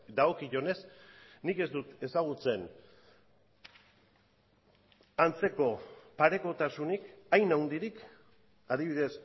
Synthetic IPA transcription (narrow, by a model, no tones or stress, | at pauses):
d̪aɣokiʝo̞ne̞snike̞zd̪ut̪e̞saɣ̞ut͡se̞n | ant͡se̞ko̞paɾe̞ko̞t̪asunikajnawnd̪iɾik | aðiβiðe̞s